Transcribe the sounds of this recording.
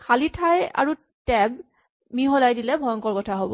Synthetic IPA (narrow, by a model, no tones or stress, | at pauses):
kʰalitʰaja̰ɹu | tɛb̚ | miɦɔlajdilɛbʱɔjɔŋkɔɹkɔtʰaɦobɔ̰